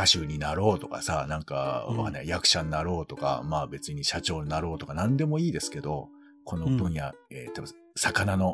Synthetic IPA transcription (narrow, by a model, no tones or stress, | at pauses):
kaɕɨːɲ̟inaɾo̞ːt̪o̞ka̰sanãŋka̰anejakɯ̟̥ɕannaɾo̞ːt̪o̞ka̰maːbe̞t͡sɨɲ̟iɕat͡ɕo̞ːɲinaɾo̞ːt̪o̞kanãnd̪e̞mo̞iːd̪e̞sɨ̥ke̞d̪o̞ | kʰo̞no̞bɯ̟̃ɰ̃jaeːt̪ob | sakanano̞